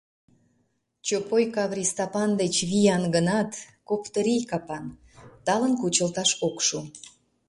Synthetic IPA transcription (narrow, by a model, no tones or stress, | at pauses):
t͡ɕopojkɑβrʲist̪ɑpɑnd̪et͡ɕβijɑnɡənɑt̪kokt̪əɾijkɑpɑn | t̪ɑlənkut͡ɕəlt̪ɑʃokʃu